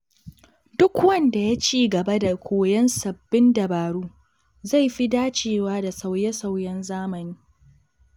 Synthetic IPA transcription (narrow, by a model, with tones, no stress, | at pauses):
dʊ˦kwɐ˦˨nda˨ja˦t͡ʃiː˦˨ɡɐ˨ba˦da˨kʷʰoː˨jɐ˦nsɐ˨bːɪ˦ndɐ˨baː˨ɽuː˦ | za˦˨jɸi˦daː˦t͡ʃeː˨waː˦da˨sa˨wjɛ˦sa˨wjɛ˦nzaː˦mɐ˨niː˦